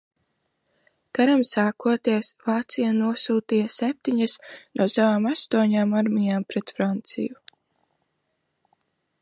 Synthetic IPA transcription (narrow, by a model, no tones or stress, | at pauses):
kaɾamsaːkuɔt̪iɛsvaːt̪sijanuɔsuːt̪iːjasɛp̚t̪iɲasnʔuɔsavaːmast̪uɔɲaːmaɾmijaːmpɾɛt̪fɾant̪sḭju